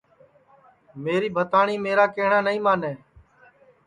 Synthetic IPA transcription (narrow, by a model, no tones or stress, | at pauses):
meːɾiːbʱət̪aːɳiːmeːɾaːkeːɦɳaːnəĩːmaːneː